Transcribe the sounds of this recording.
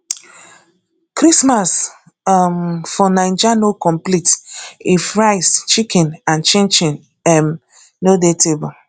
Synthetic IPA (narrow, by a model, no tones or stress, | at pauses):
kɾismas | mfɔnãɪ̃nd͡ʒanokɔ̃mplitifɹaɪst͡ʃikɛ̃nãnt͡ʃẽnt͡ʃĩn | ɛm | nodetebɔ